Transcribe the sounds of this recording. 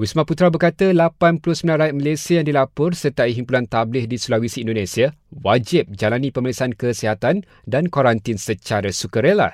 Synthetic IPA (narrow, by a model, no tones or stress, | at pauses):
wismaput̪ɾabərkat̪əlapanpulʊhsəmilãnɾajat̪̚məlesiajaŋdilapʊrsərt̪aʔiɦimpulant̪ablɪhdisulawisiːndonẽsiawad͡ʒɪp̚d͡ʒalanĩpəməlisankəsiɦat̪an | dankoɾant̪insət͡ʃaɾasukəɾela̰